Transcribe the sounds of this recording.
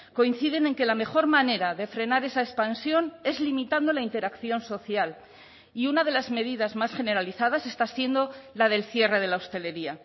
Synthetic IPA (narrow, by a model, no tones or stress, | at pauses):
ko̞in̟θiðe̞ne̞ŋke̞lame̞xo̞ɾmane̞ɾaðe̞fɾe̞naɾe̞saespansjo̞ne̞zlimit̪and̪o̞laint̪e̞ɾakθjo̞nso̞θjal | iunað̞e̞lazme̞ðiðazmasxe̞ne̞ɾaliθaðase̞st̪asje̞nd̪o̞lað̞e̞lθje̞re̞ð̞e̞laost̪e̞le̞ɾia